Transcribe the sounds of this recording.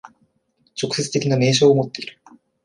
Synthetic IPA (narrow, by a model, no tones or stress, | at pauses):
t͡ɕo̞kɯ̟se̞t͡sɨ̥t̪e̞kʲiname̞ːɕ̬oːomo̞t̪ːe̞iɾɯ̥